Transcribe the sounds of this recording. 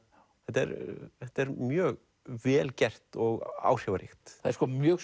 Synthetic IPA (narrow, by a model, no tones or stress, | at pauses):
θɛht̪ɛ̰ɾθɛht̪ɛɾmjœːɣ | vɛːlcɛr̥t̪ɔɣa̰ːwr̥jawaɾɪ̰xt̪aðɛɾskɔmjœːɣ